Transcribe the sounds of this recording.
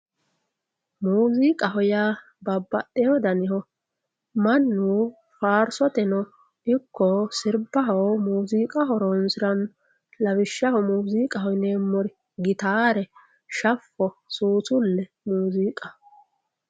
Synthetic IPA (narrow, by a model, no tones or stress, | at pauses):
muːziːkʼɐɦɔja | bɐbːɐtːɛjɔd̪ɐnɪhɔ | mɐnːuː | faːɾsɔt̪ɛnɔ | ɪkːɔsɪɾbɐɦɔwmuːziːkʼɐɦɔɾɔnsɪɾɐn | lɐwɪʃːɐhɔmuːziːkʼɐhɔjneːmːɔɾɪ | ɡɪt̪aːɾɛ | ʃɐfːɔsuːsʊlːɛ | muːziːkʼɐ